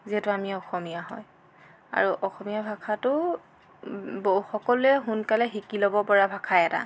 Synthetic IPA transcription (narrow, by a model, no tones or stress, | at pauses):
ziɦɛtʊamiɔxɔmijaɦɔ̰j | a̰ɹuʔɔxɔmijabʱakʰatʊ | boxɔkɔlɛɦunkalɛɦikilɔbɔpɔɹabʱakʰajɛta̰